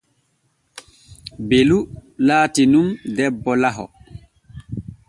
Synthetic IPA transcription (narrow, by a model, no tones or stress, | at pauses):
belulaːtinumdɛbːɔlaɦɔ̰